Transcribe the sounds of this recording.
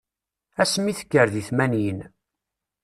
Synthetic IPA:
æsmiθə̥kːəɾðiθmænjən

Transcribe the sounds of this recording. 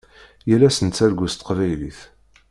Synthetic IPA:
jəlːæsənt̪t͡sːæɾɡʷust̪ə̥qvæjliθ

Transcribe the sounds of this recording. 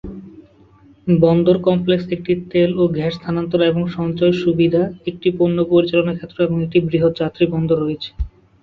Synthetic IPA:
bɔnd̪oɾkɔmpleksek̚ʈit̪eloɡʱɛɾst̪ʰanant̪oɾaeboŋʃɔnt͡ɕɔeʃubid̪ʱaek̚ʈiponːopoɾit͡ɕalonakʰet̪ːɾoɛboŋek̚ʈibɾiɦot̪d͡ʑat̪ːɾibɔnd̪oɾːoet͡ɕʰe̥

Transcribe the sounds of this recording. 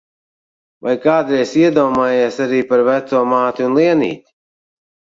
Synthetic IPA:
vajkaːd̪ɾɛjsiɛd̪ɔːmaːjeːsaɾiːpaɾvæt̪suːmaːt̪iunlˠiɛnḭːt̪ʲi̥

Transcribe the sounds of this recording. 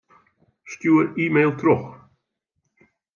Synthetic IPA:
ʃcʲuːəɾiːmejlˠt̪ʰɾɔx

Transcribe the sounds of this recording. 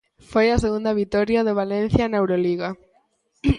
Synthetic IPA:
fojaseɣund̪aβit̪oɾjaðeβ̞alẽn̟θjanewɾoliɣa

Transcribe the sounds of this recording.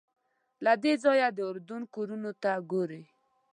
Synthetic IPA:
lad̪ed͡zɔjad̪əʊɾd̪unkoɾunot̪aɡoɾe

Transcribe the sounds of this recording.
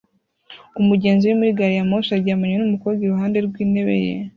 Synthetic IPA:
umuɟe̞ːnziwemuɾiɡaɾijamosaɾɟamaɲwenumukoɡiɾuhaːnde̞ɾɡwiːne̞βḛjḛ

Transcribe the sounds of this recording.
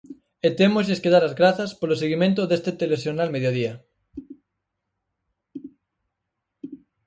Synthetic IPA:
et̪emoseskeðaɾazɣɾaθaspoloseɣimẽnt̪̬oðest̪et̪elesjonalmeðjoðia

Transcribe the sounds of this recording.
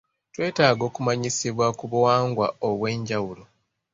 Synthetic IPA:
twe̞ːtaːɡo̞ːkumaɲisiβwakuβuwaːŋɡwa̰oβwe̞ːɲɟawulo

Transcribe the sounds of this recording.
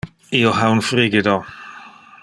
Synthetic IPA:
iɔɦawnfriːɡɪdɔ

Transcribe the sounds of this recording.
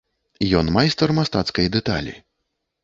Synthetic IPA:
jɔnmajst̪ɐrmast̪at̪skɐjd̪ɛt̪a̰lʲḭ

